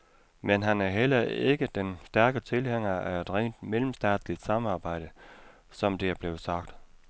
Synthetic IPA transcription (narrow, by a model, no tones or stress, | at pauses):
menɦænæɐɦel̰ɐe̝ɡ̥əd̥ensd̥æɐɡ̥ət͡sʰe̝lheŋ̰ɐæed̥ʁḛːnd̥meləm̩sd̥ɛ̰ːd̥slid̥sɑ̈mɑ̈ːb̥ɑ̈ɪ̰d̥ə | sɒ̽md̥e̝æɐb̥le̝ːʊsɑ̈ɡ̥̚d̥